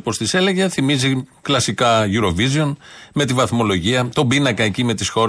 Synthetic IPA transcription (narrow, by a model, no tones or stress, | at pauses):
po̞st̪ise̞leʝeθimiziklɐsikɐʝuɾo̞vizio̞nme̞t̪ivɐθmo̞lo̞ʝiɐt̪o̞binɐkɐecimet̪isxo̞ɾ